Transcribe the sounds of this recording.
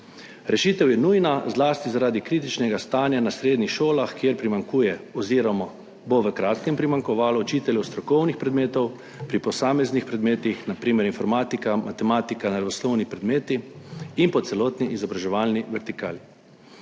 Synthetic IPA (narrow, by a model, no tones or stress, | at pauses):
ɾɛʃiːt̪ɛwjɛnuːjnazlaːst̪izaɾaːd̪ikɾiːt̪it͡ʃnɛɡast̪aːnjanasɾeːd̪nixʃoːlaxkjeɾpɾimaŋkuːjɛɔziːɾɔmɔ | boʋəkɾaːt̪kɛmpɾimaŋkɔʋaːlɔɔt͡ʃiːt̪ɛljɛwst̪ɾɔkɔwnixpɾɛd̪meːt̪ɔw | pɾipɔsaːmɛznixpɾɛd̪meːt̪ixnapɾiːmɛɾinfɔɾmaːt̪ikamʔat̪ɛmaːt̪ikanaɾaʋɔslɔwnipɾɛd̪meːt̪iinpɔt̪sɛlɔːt̪niʔizɔbɾaʒɛʋaːlniʋɛɾt̪ika̰ːli